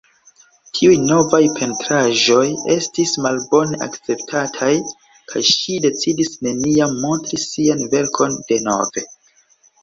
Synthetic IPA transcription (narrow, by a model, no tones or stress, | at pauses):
tʰiujno̞vajpʰe̞ntɾaʒo̞je̞stismalbo̞ne̞ʔa̰kt͡se̞p̚tʰatʰaj | kʰa̰jʃide̞t͡sidisne̞niamːo̞ntɾisianve̞ɾkʰo̞nd̥e̞no̞̰ve̞